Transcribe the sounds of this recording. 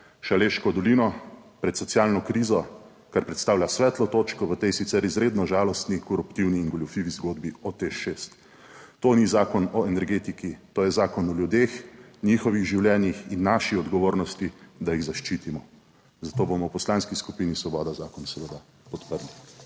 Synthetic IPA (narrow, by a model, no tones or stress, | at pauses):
ʃaleʃkɔd̪ɔliːnɔpɾɛt̪sɔtsjaːlnɔkɾiːzɔ | kaɾpɾɛt̪st̪aːwlʲjasʋɛːt̪lɔt̪oːt͡ʃkɔʋət̪ejsit̪sɛɾizɾeːd̪nɔʒaːlɔst̪nikɔɾupt̪iwniːŋɡɔljufiʋizɡoːd̪biɔt̪exʃest̪ː | onizaːkɔnɔɛnɛɾɡeːt̪ikit̪oːjɛzaːkɔnɔljud̪exnixɔʋiɣʒiwljɛːnjixinːaːʃiɔd̪ɡɔʋoːɾnɔst̪id̪ajiɣzaʃt͡ʃit̪imɔ | zat̪oːbomɔwpɔslaːnskiskupiːnisʋɔbɔːd̪azaːkɔnsɛʋəd̪a | pɔt̪pəɾli